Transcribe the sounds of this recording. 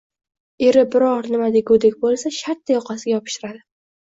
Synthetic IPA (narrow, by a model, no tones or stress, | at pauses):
eɾɪbɪɾɒɾnɪmad̪eɡod̪ekʲbolˠsaʃaɾt̪ʰːajɒqʰɑsɪɡʲajɒpʰɪ̥ʃt̪ɪɾad̪ɪ